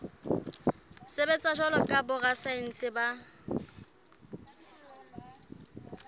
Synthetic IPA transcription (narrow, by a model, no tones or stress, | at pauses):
sebɛt͡sʼaʃɔlɔkʼabʊɣasan̩t͡sʰʼɪba